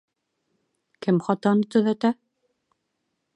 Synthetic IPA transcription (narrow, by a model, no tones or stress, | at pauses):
kɘmχɑt̪ɑnɤt̪ɵ̆ðæt̪æ